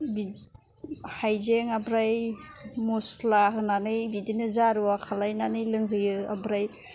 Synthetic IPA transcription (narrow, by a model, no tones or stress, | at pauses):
bi | hajzeŋabɾajmuslaɦɯnanɯjbidinɯzaɾuwakʰalajnanɯjlɯŋɦɯjɯa̰bɾaj